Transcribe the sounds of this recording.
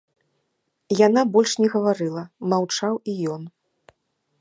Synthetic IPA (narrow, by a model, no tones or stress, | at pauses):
janabɔlʲʂnʲɛɣɐvaɾɨlˠɐmawt͡ʂawijɔn